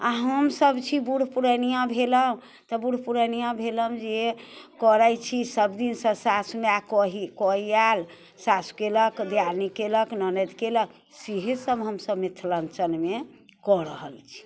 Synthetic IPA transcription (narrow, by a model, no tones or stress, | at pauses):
aɦəmsəbt͡ʃʰibuɽ̤ʱpuɾənijãbʱeləm | t̪ɔbuɽ̤puɾənijãbʱeləmd͡ʒekɔɾət͡ʃʰisəbd̪insə̃sasmeakɔɦikɔɦial | sasu̥keləkd̪jaɾnikeləknənɛd̪kelək | siɦesəbɦəmsəbmit̪ʰːlənt͡ʃənme | kɔɾəɦəlt͡ʃʰi̥